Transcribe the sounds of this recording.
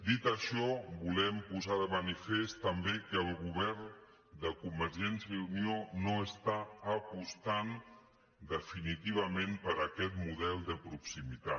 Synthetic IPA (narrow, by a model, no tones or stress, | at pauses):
d̪it̪əʃɔbulɛmpuzaðəmənifest̪əmbekəːlˠɣuβ̞ɛɾn | d̪əkumbəɾʒɛnsjunijonoəst̪aəpust̪an | d̪əfinit̪iβ̞əmempəɾəkɛt̪muðɛlˠd̪əpɾuksimit̪a